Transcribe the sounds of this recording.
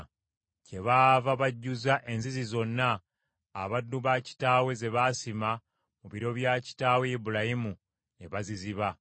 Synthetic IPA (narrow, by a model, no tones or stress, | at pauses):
ce̞βaːvaβaɟːuzaʔe̞nzizizo̞nːaː | βadːuβaci̥taːwe̞ze̞βasima | muβiɾo̞βjaːci̥taːwe̞ibulajimu | neβaziziβa